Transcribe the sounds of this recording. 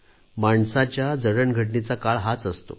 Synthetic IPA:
maɳsat͡ɕjad͡zəɽəɳɡʱəʈ̬ɳit͡sakaɭɦat͡səst̪o̰

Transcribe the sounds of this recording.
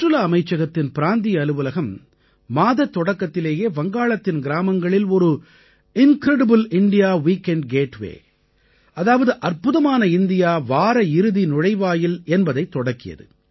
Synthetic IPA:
ɯlɐːmɐɪt͡ʃːɐɣɐt̪ːɪnpɪɾaːnd̪ɪjɐlɯʋɯlɐɣɐmː | aːðɐt̪ːɔɽɐkːɐt̪ːɪleːjeːʋɐŋɡaːɭɐt̪ːɪnɡɪɾaːmɐŋɡɐɭɪlɔɾɯ | ɪnkɾɛɽɐbɯlɪɳɖɪjaːʋiːkɛɳɖ̚ɡeːʈʋḛː | ɐðaːʋɐðɯʔɐrpɯðɐmaːnɐɪnd̪ɪjaːʋaːɾɐɪɾɯðinʊɻɐɪʋaːjɪlɛnbɐðɐɪt̪ːɔɽɐkːɪjɐ̰ðɯ̰

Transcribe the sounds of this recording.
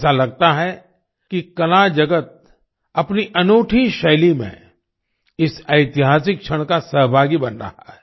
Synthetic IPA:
salɐɡ̚t̪aɦɛ | kikɐlad͡ʒɐɡət̪̚ | ɐpniʔɐnoːʈʰiʃɐjlimḛ̃ | ɪsɐɪt̪ɪɦaːsɪk̚t͡ʃʰəɽ̃kasɐɦbʱaːɡibɐnɾɐ̰ɦaɦɛ

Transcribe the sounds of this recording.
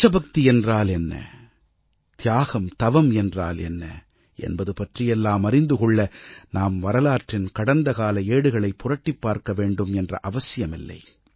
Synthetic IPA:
t͡ʃːɐbɐk̚t̪iɛndraːlɛnːɐ̰ | t̪ɪjaːɣɐmt̪ɐʋɐmɛndraːlɛ̰nːɐ̰ | ʔɛ̰nbɐðɯpɐʈrɪjɛlːaːmɐɾɪnd̪ɯkɔɭːɐnaːmʋɐɾɐlaːʈrɪnkɐɽɐnd̪ɐɣaːlɐeːɽɯɣɐɭɐɪpːʊrɐʈːipːaːɾkɐʋeːɳɖɯmɛndrɐ̰ʔɐʋɐsɪjɐmɪlːɐ̰ɪ

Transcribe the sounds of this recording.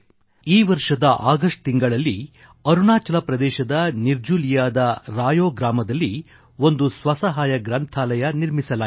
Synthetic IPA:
iːʋɐɾʂɐd̪ɐʔaːɡɐʂʈ̚t̪iŋɡɐɭɐlːi | ɐɾuɳaːt͡ʃɐlɐpɾɐd̪ɛːʃɐd̪ɐniɾd͡ʒuːlijaːd̪ɐɾaːjoːɡɾaːmɐd̪ɐlːi | o̞nd̪usʋɐsɐɦaːjɐɡɾɐnt̪ʰaːlɐjɐniɾmisɐla

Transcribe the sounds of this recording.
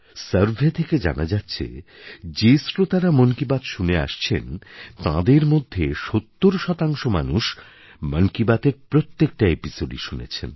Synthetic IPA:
səɾbʱet̪ʰeked͡ʑa̰nad͡ʑatːɕʰḛd͡ʑesɾot̪aɾamənkibat̪ʃunea̰ʃt͡ɕʰḛnt̪ã̰d̪eɾmod̪ʱːeʃot̪ːoɾoʃɔt̪aŋʃoma̰nuʃ | mənkibat̪eɾpɾot̪ːek̚ʈaepisoɖiʃunḛt͡ɕʰḛn

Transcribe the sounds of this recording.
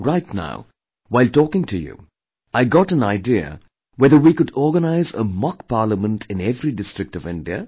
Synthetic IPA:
ɹaɪtna̰ʊ | waɪltɔːkɪ̃ŋtʰɨjṵ | ʔaɪɡɔʈə̃naɪdiə̰ | wɛðə˞wikʊdɔɡənaɪzə̰mɑkpaːɾləmə̃ntʰɪ̃nɛvɾidɪstɹ̥ɨk̚tɔvɪ̃nɖiə̰

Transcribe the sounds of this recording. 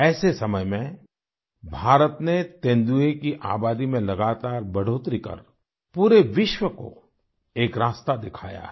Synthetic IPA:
ɛːsesɐməjmẽ | bʱaːɾət̪net̪ẽːnd̪uekiʔa̰ːbaːd̪imẽlɐɡaːt̪aːɾbɐɽ̤oːt̪ɾikɐ̰ɾ | puːɾeʋɪʃwəko̰ | eːkɾaːst̪ad̪ɪkʰa̰ːja̰ɛ

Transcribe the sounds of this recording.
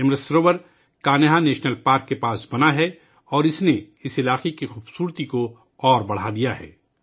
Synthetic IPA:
ɪmɾəsɾoːbəɾ | kaːnɪɦaneːʃnəlpaːɾkːepaːsbɐnaɦɛ | ɔːɾɪsne | ɪsɪlaːqekixuːbsuːɾt̪iko | ɔːɾbɐɽ̤ad̪ijaɦɛ̰ː

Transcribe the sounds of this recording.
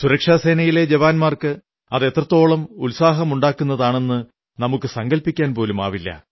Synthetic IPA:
suɾɐkʂaːse̞ːnɐjile̞d͡ʑɐʋaːnmaːrkɨ | ɐðe̞t̪rɐt̪ːo̞ːɭɐmulsaːɦɐmuɳɖaːkːunːɐðaːɳe̞nːɨ | nɐmukːɨsɐŋɡɐlpːikʲːaːnpo̞ːluma̰ːʋilːɐ̰

